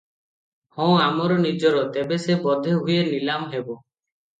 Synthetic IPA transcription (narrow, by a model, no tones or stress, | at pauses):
hɔ̃amɔɾɔnid͡ʒɔɾɔt̪ebesebɔd̪ʱeɦujeɾnilamɦebɔ